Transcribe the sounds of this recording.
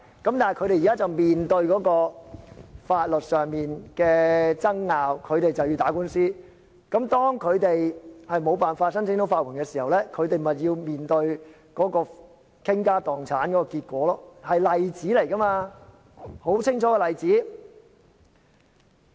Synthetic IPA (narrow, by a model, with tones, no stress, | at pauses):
kɐ˨˥mt̪aː˨jkʰɵ˧ɥɾe˨jːka˥t͡sɐ˨wmiː˨nt̪ɵ˧ɥkɔː˨˥kɔː˧ | faː˧t̚lɵ˨t̚sœː˨ŋmiː˨nkɛː˧t͡sɐ˥ŋːaː˨wkʰɵ˨˧ɥt̪e˨jt͡sɐ˨wji˧wt̪aː˨˥kuː˥nsiː˥ | kɐ˨˥mt̪ɔː˥ŋkʰɵ˨˧ɥt̪e˨jhɐ˨jmo˨˧wpaː˨nfaː˧t̚sɐ˥nt͡sʰɪ˥ŋt̪o˨˥wfaː˧t̚kʰɪ˨˩nkɛ˧siː˨˩hɐ˨wlɛː˥kʰɵ˨˧ɥt̪e˨jmɐ˨˩ji˧wmiː˨nt̪ɵ˧ɥ | kɔː˨˥kɔː˧ | kʰɪ˥ŋkaː˥t̪ɔː˨˩ŋt͡sʰaː˨˥nkɔː˨˥kɔ˧kiː˧t̚kʷɔː˨˥lɔː˥hɐ˨jlɐ˨jt͡siː˨˥le˨˩jkɐ˥maː˧ | ho˨˥wt͡sʰɪ˥ŋt͡sʰɔː˨˥kɛ˧lɐ˨jt͡siː˨˥